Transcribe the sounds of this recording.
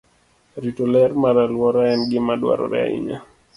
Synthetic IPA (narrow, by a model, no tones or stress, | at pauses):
ɾitolɛɾmaɾalwɔɾaɛnɡɪmadwa̰ɾɔ̰ɾɛ̰a̰ḭɲa̰